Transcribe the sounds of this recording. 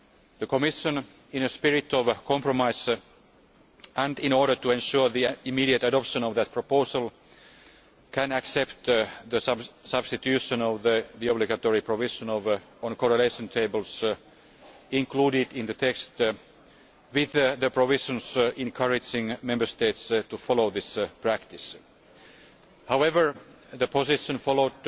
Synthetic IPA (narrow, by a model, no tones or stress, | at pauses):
ðəkomɪʃə̃n | ɪ̃nəspɪɹɪt̪ɔʋkʰɔ̃mpɹɔmaɪs | ʔæ̃ndɪ̃nɔɹɾə˞t̪uẽnʃuɹðiimiɾiət̪adɔpʃə̃nɔʋðæt̪̚pʰɹ̥opoʊsəlˠ | kʰæ̃næksɛpt̪ðəssʌb̥st̪it̪jʉʃə̃nɔʋðəðiɔbliɡæt̪oɹipʰɹovɪʃə̃nɔʋ | ə̃nkɔɹəleɪʃə̃nt̪ʰeɪbəls | ɪ̃nkluːɾɪdɪ̃nðət̪ʰekst̪ | wɪððəpʰɹovɪʃə̃nsɪ̃nkʰʌɹɪd͡ʒɪ̃ŋmɛ̃mbə˞st̪eɪt̪st̪ufɔloðɪspʰɹ̥ækt̪ɪs | haʊɛvə˞ | ðəpʰosɪʃə̃nfɔloʊd̪